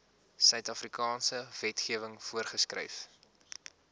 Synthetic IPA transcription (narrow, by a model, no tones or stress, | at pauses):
sœɥtɐfrikɑːnsəvɛtχiəvəŋfuərχəskrɛ̰jf